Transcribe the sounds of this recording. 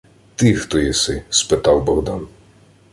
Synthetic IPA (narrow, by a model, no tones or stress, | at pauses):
t̪ɪxt̪ɔjisɪspɪt̪ɑwbɔɦd̪an